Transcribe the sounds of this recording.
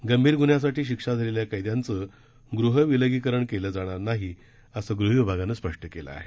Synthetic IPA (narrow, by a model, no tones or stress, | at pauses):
ɡəmbʱiːɾɡunjas̬aʈiːɕ̬ikʂad͡zʱaleljakəjd̪jant͡sə | ɡɾuɦəʋiləɡikəɾəɳkeləːd͡zaɽ̃aɾnaɦi | əsəɡɾuɦʋibʱaɡanəspəʂʈʰəkelə̰a̰ɦe